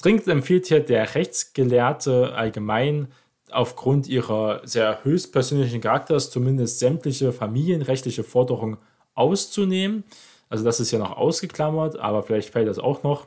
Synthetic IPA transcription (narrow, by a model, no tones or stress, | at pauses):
d̥ʁ̥ɪŋtɛmfiːlthiːɐdeːɐʁɛçt͡sɡ̥əleːɐtʰəʔa̰lɡəmaɪn | ʔa̰ʊfɡ̥ʁʊntʔiːʁɐzeːɐhøːçstpʰɛɐzøːnlɪçn̩kaʁak̚tɐst͡sumɪndəstz̥ɛmtlɪçəfamiːljənʁɛçtlɪçəfɔɐdəʁʊŋən | ʔaʊst͡suneːmən | ʔalzodasɪstjaːnɔχʔa̰ʊsɡ̥əkl̥amɐtʔa̰ːbɐfɪlaɪçtfɛːltd̥asa̰ʊxnɔχ